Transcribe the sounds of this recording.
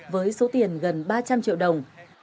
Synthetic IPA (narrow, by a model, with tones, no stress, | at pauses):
vəː˨˦jso˨˦t̪i˨˩ənɣə˨˩nɓaː˧t͡ɕa˧mt͡ɕḭ˧˨wɗə˨˩wŋ͡m